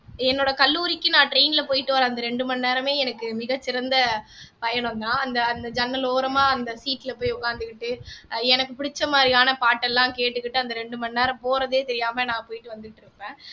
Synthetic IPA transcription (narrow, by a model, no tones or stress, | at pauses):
ɛnːoːɽɐkɐlːuːɾɪkːɯnãːʈɾeːnɪlɐpoːjɪʈːɯʋɐɾɐ̃ɐnd̪ɐɾɛɳɖɯmɐnneːɾɐmeːɛnɐkːɯmɪɣɐt͡ʃːɪɾɐnd̪ɐpɐjɐɳʊnd̪ãːɐnd̪ɐːnd̪ɐd͡ʒɐnːɐloːɾɐmaːɐnd̪ɐsiːʈːɪlɐpoːjʊkaːnd̪ɯkːɪʈːɯɛnɐkːɯpɪɽɪt͡ʃːɐmaːd̪ɾɪjaːnɐpaːʈːɛlːãːkeːʈːɯkːɪʈːɯɐnd̪ɐɾɛɳɖɯmɐnneːɾɐ̃mpoːɾɐðeːt̪ɛɾɪjaːmɐnãːpoːjɪʈːɯʋɐnd̪ɯkɪʈːɪɾɯpːẽː